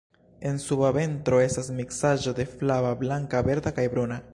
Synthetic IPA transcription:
e̞nsubave̞ntɾo̞e̞stasmiksad͡ʒo̞de̞flavablaŋkabe̞ɾdakajbɾuna

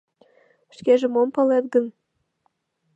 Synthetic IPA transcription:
ʃkeʒĕmompɑlet̪̚ɡən

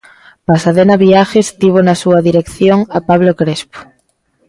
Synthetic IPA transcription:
pasaðenaβiaxest̪iβ̞onasuaðiɾekθjoŋapaβ̞lokɾespo̥

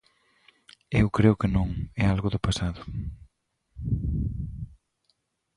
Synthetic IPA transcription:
ewkɾeʊkɪnõŋɛalɣʊðʊpasaðʊ

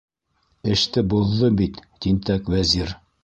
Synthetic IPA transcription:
ɘ̆ʃt̪ɘbuðːɤbit̪t̪int̪ækwæziɾ

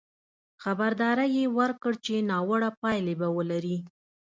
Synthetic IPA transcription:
xabaɾd̪ɑɾajewəɾkəɽt͡ʃenɑwəɽapɑjlebawəlaɾi

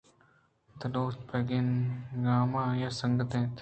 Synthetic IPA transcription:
t̪ɐloːspʰeɡenɡaːmãːjaːsɐŋɡət̪ẽːt̪ʰ

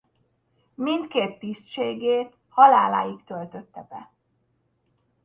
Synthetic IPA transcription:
mind̪keːt̪ːist͡ʃeːɡeːt̪ | hɒlaːla̰ːjikt̪ø̞lt̪ø̞t̪ːɛbɛ̰

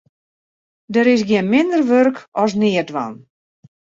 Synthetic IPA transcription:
dəɾɪs̬ɡjɪənmɪndərʋørkɔs̬nɪədʋa̰n

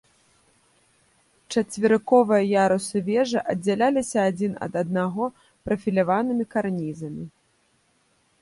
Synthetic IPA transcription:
t͡ʂɐt͡sʲvʲɪɾɨkɔvɨjɐjaɾusɨvʲɛʐɨʔɐd͡zʲːalʲalʲisʲɐːd͡zʲinɐ̰d̪ɐd̪̚naɣɔ | pɾɐfʲilʲavanɨmʲikarnʲizɐmʲi

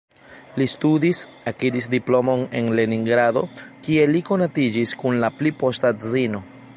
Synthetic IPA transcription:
listudis | akidisdiplo̞mo̞ne̞nle̞niŋɡɾado̞kie̞liko̞natid͡ʒiskunlaplipo̞stazino̞

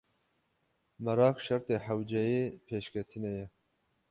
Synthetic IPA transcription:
mɐɾɑːqʃɐɾt̪eːħawd͡ʒɛjeːpʰeːʃkʲʰɛt̪ʰɨnɛjɛ

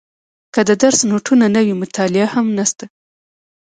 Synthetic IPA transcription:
kəd̪əd̪aɾsnoʈʰunanəwimʊt̪ʰɑlɪahamnast̪a

